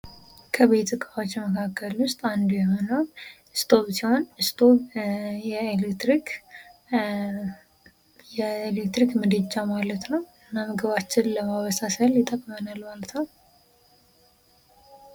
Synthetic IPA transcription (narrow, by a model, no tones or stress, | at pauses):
kʰəβet̪ʰʼɨkʼawot͡ʃːməkʰakʰːəlwʊst̪ʼand̪ujɛɦonəw | ɨst̪ʰo̞βsiho̞nɨst̪ʰʼo̞βjɛelekt̪ɾik | jɛelekt̪ɾikmɨd̪ət͡ʃːamalət̪nəwɨnːamɨɡɨβat͡ʃːɪnləmaβəsasəljɪt̪ʼəkʼmənalmalət̪nəw